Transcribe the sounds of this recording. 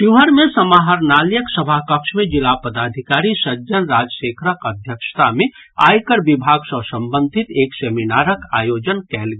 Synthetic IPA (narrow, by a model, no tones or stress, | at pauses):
ʈuɦəɾmẽsəmaɦəɾnaːljəksəbʱakəkʃmẽd͡ʒɪlapəd̪aːd̪ʱikaːɾisəd͡ʒənɾad͡ʒəʃeːkʰɾəkəd̪ʱjəkʃt̪ʰamẽ | a̰ːjkəɾbibʱaːɡsəsə̃mbə̃nd̪ʱɪt̪eːkseːminaːɾəkaːjoːd͡ʒənkɛːlɡ